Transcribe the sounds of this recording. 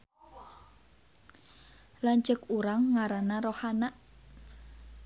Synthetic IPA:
lant͡ʃəkuɾaŋːaɾanaɾohanaʔ

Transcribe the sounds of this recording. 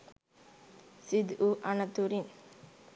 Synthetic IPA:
sɪd̪uʔɐnɐt̪ːuɾɪn

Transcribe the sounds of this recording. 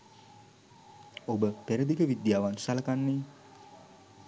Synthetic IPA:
obəpeɾəd̪ikəʋid̪jaːʋansaləkanːe

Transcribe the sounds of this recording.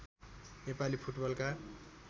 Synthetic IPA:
nepalipʰuʈbʌlka

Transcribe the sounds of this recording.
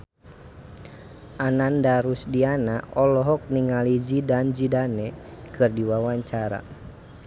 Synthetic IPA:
ʔanandaɾusdianaɔlɔɦɔk̚niŋalid͡ʒidand͡ʒidanɛkʰɨrdiwawaɲt͡ʃaɾa̰

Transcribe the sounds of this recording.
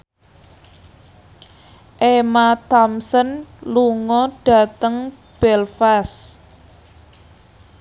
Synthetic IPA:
ʔemat̪ɔmsənluŋɔɖ̥ä̤t̪əŋ | b̥ɛlfas

